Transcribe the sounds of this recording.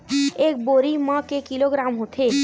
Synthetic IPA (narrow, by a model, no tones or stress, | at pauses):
ek̚boɾimə̃kekiloɡɾamɦot̪ʰe